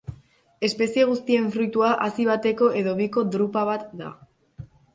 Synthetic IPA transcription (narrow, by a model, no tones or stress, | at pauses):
e̞spe̞sie̞ɣ̞ust̪ie̞ɱfɾujt̪uaʔasiβ̞at̪e̞ko̞ʔe̞ðo̞βiko̞d̪ɾupaβ̞at̪d̪a̰